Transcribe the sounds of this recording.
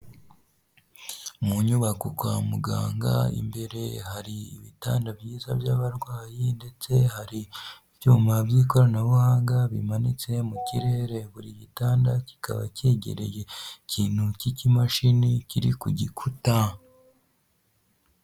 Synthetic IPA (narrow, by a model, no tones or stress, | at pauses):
muɲuβakukwa̰muɡa̰ːŋɡa̰ḭmbe̞ɾe̞haɾiḭβitaːndabjiːzabjaːβaɾɡwaːjinde̞t͡se̞haɾi | β̥juːmabjiːko̞ɾanaβuhaːŋɡaβimanit͡se̞muciɾe̞ːɾe̞βuɾiɟitaːndaci̥ka̰βa̰ceːɟḛɾe̞̰je̞cʰiːn̥hucicimaʃiniciɾḭkuɟikʰuta